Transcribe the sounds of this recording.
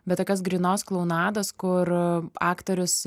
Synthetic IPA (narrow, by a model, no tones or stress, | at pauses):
bʲɛt̪t̪okʲɛs̬ɡɾʲiːnoːsklˠɐʊnɑːd̪ɐskʊɾɑːkt̪oɾʲʊs